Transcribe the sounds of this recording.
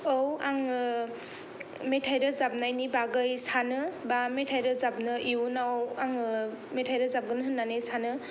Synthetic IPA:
owaŋ | metʰajɾɯzab̚najnibaɡɯjsanɯbametʰajɾɯzab̚nɯiunawaŋmetʰajɾɯzab̚ɡɯnɯɦɯnːanɯjsanɯ

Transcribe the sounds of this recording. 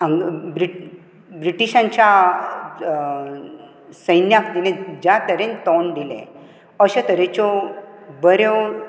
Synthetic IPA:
aŋbɾi | bɾiʈiɕãɲt͡ɕa | səjnjakd̪inẽd͡ʑat̪əɾẽnt̪ɔnɖ̪ilḛ̃ | əɕet̪əɾẽt͡ɕɔ | bəɾjɔ

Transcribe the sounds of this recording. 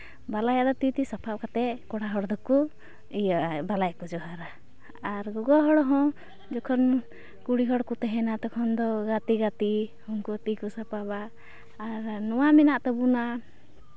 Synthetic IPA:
balajaʔd̪ɔt̪it̪isapʰap̚kat̪ɛkɔɽaɦɔɽd̪ɔku | ijaʔbalajkɔd͡ʒɔɦaɾaː | ɾɡɔɡaɦɔɽɔɦɔ̃ | d͡ʒɔkʰɔn | kuɽiɦɔɽkut̪ɛɦɛnat̪ɔkʰɔnd̪ɔɡat̪iɡat̪ihɔŋkɔt̪ikɔsapabaʔː | ɾnɔwamɛnaʔt̪ɔbuna

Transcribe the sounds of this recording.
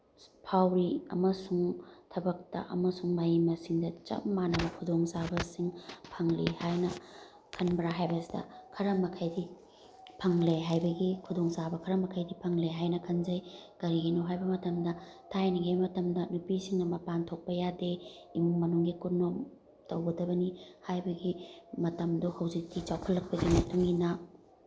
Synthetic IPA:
pʰawɾiɐ̰mɐsuŋtʰɐbɐk̚tɐ̰ʔɐ̰mɐsuŋmajimɐsiŋdɐt͡ʃɐ̰mːanɐbɐkʰudoŋsabɐsiŋpʰɐŋlihajnɐ | kʰɐnbɾaɦajbɐsi̥dɐ̰kʰɐɾɐmɐkʰɐjdi | pʰɐŋleɦajbɐɡikʰudoŋsabɐkʰɐɾɐmɐkʰɐjdipʰɐŋleɦajnɐkʰɐnzɐjɡ̥ɐɾiɡinoɦajbɐmɐtɐmdɐ | tʰajnɐɡebɐmɐtɐmdɐnupisiŋnɐmɐpantʰok̚pɐjadeimuŋmɐnuŋɡikunːom | tɐwɡɐdɐbɐnihajbɐɡimɐtɐmdohɐwzik̚tit͡ʃawkʰɐlːɐk̚pɐɡimɐtuŋɡina

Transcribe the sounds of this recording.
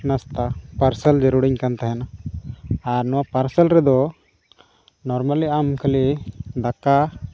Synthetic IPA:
nast̪apaɾsəld͡ʒəɾuɽiɲkant̪aɦɛna | aɾnɔwapaɾsəlɾɛd̪ɔ | nɔɾmaliamkʰəlid̪aka

